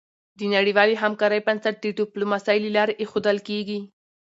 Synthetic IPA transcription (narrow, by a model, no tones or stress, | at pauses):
d̪ənaɽiwɑliɦamkɑɾəjpansaʈ̪̚d̪əʈuplumasɑjlilɑɾeʔexod̪əlkeɡi